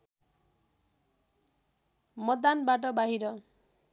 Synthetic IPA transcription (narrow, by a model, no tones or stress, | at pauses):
mʌd̪anbaʈʌbaɦiɾʌ